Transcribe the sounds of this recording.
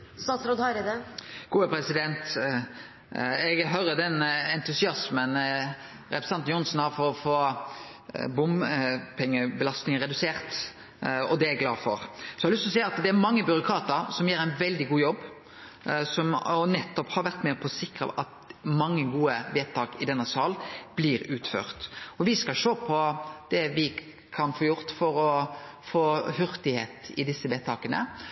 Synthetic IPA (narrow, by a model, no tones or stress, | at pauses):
st̪ɑːt̪sɾoːd̪hɑɾɪd̪ɛɡ̥uːəpɾɛsɪd̪ɛnt̪ | ɛɡɦœʏɾəd̪ɛnɛnt̪ʉsɪɑsmən | ɾɛpɾə̥sɑnt̪njʊnsnhɑɾfɔɾɔfoː | bʊmpʰɛŋːəbəlɑst̪ɪŋəɾɛd̪ʉseːɾt̪ | ɔd̪ɛæɡlɑːfɔ̰ɾsɔɑlʏst̪ɔsɛɪɑt̪d̪ɛæɾmɑŋːəbʏɾʊkʰɑːt̪əɾsɔmjeːɾæɪnʋɛld̪ɪɡuːjɔbː | sɔmɔnɛt̪ːɔphɑɾʋæɾt̪mɛpʰɔsɪkɾə̰ʔɑt̪mɑŋːəɡuːəʋeːt̪ʰɑːkɪd̪ɛnːəsɑːlb̥lɪɾʉːt̪fø̰ːɾt̪ɔʋɪskɑʃoːpʰɔd̪̥ɛʋɪ | kʰɑnfoːjʊɾt̪fɔɾɔ | foːhʏɾt̪ɪheːt̪ɪd̪ɪsːəʋeːt̪ʰɑːkənə̰